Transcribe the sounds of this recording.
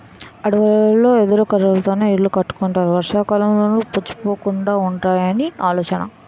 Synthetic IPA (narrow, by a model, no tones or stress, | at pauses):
ɐɽuɡɐlːo̞ːed̪uɾukɐɾɐɾt̪oːneːiɽlːukɐʈːu̥kuɳʈaːɾuʋɐɾʂaːkalɐmloːnuput͡ʃːi̥po̞ːkuɳɖaːuɳʈaːjɐniaːlɔːt͡ʃɐnɐ̰